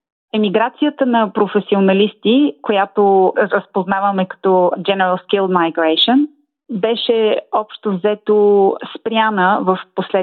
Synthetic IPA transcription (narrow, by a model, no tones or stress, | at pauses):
ɛmiɡɾat̪sijət̪ənɐpɾofɛsionɐlist̪ikojat̪oɾəspoznavəmɛkɐ̥t̪ɔd͡ʒɛnɛɾəlˠskilˠd̪majɡɾɛʃən | bɛʃɛɔpʃt̪ovzɛt̪ospɾjanəvəfposlɛ